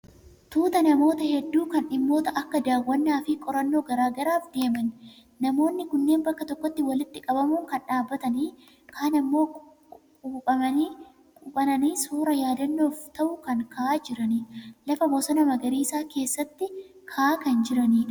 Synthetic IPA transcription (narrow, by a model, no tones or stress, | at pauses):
t̪uːt̪ɐnɐmo̞ːt̪ɐhɛd̪ːuːkɐnᶑɪmːo̞ːt̪ɐʔɐkːɐd̪aːwːɐnːaːfɪkʼɔɾɐnːo̞ːɡɐɾaːɡɐɾaːfd̪e̞ːmɐnː | ɐmo̞ːnːɪkʊnːe̞ːmbɐkːɐt̪ɔkːɔt̪ːɪwɐlɪt̪ːɪkʼɐbɐmuːkɐnᶑaːbːɐt̪ɐniː | kʰaːnɐmːo̞ː | kʼuːpʼɐmɐni | kʼuːpʼɐnɐniːsuːɾɐjaːd̪ɐnːo̞ːft̪ɐʔʊkɐŋkɐʔaːd͡ʒɪɾɐnilɐfɐbɔsɐnɐmɐɡɐɾiːsaːke̞ːsːɐt̪ːɪ | kʰaːkɐnd͡ʒɪɾɐniːᶑɐ